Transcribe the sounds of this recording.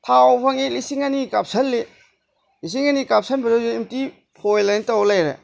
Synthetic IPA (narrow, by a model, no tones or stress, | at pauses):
tʰawpʰaŋelisiŋanikap̚sɐlːe | lis̬iŋanikap̚sʰɐnbiɾɯzeːmti | pʰojlanitawlajɾḛ